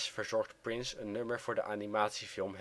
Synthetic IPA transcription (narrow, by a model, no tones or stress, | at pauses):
sfəɹzɔɹχtprɪnsənːøməɹvʊːɹdə̰ʔaːnimaːtsifɪlˠmɦ